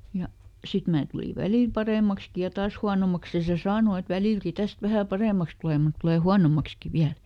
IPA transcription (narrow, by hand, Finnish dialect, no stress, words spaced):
jɑ sit mæː tuli ʋæliˑl pɑreˑmɑkski jɑ tɑːs huɑnomɑks jɑ se sɑːno et ʋæliˑlki tæst ʋæhæ pɑreˑmɑks tuleˑ mut tuleˑ huɑnomɑkski ʋiæl